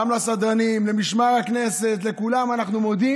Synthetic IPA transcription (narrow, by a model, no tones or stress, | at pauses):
amlasad̪ʁanimlemiʃmaʁakne̞se̞t̪̬le̞kulamanaχnumo̞d̪i